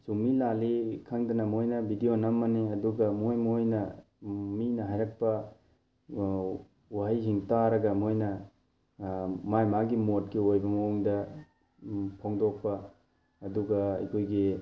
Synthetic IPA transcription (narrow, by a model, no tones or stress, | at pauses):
sumilalikʰaŋdɐnɐmojnɐbʱidijonɐmːɐneɐduɡɐmojmojnɐ | minɐɦajɾɐk̚pɐ | waɦajsiŋtaɾɐɡɐmojnɐ | majmaɡimot̚ɡiojbɐmɐuŋdɐ | pʰoŋdok̚pɐː | duɡɐɐ̰jkʰojɡi